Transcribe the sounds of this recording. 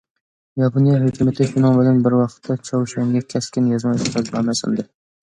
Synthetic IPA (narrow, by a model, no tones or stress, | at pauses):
jɑpʰonijhøkʲʰymɪt̪ʰɪʃunɨŋbɪlɛnbɪɾwɑqt̪ʰːɛt͡ʃʰɑwʃɛŋɡʲɛkʲʰɛskʲɪnjɑzmɑsq̪ɑd̪ɑmæsɪ̰nd̪ɪ